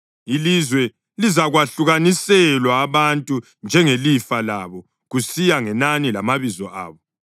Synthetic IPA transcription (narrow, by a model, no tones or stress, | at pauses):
ilizwɛ | lizaɣwaɬuɣanisɛlwaːβantʼu | nd͡ʒʱɛŋelifalaβɔ | ɣusijaŋɛnanilamaβizɔʔa̰ːβɔ